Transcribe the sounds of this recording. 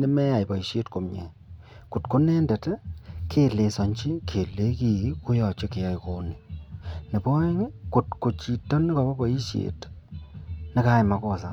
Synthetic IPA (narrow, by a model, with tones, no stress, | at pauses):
nɛ˦mɛ˦ja˨jpɔ˨i˨ʃje˦tko˨mɲḛ˨ | ku˨tko˦nɛː˦ndɛ˨tɛ˦kʰe˨le˨sɔ˨ɲt͡ʃi˦kʰe˨le˦ki˨ku˦jɔ˨t͡ʃe˦ke˨ja˦jko˦ni˨ne˨bɔ˦e˦ŋ˦ku˨tko˨t͡ʃi˨tɔ˦nɪ˦kɔ˨bɔ˦bɔ˨i˦ʃjḛ˨t | nɪ˦ka˦jma˨kɔ˦sa˦